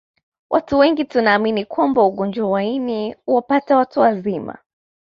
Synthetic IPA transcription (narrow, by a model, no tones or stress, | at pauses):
wʔatuwɛŋɡitunaːminikwambauɠɔnd͡ʒwawainiuwapatawatuwazima̰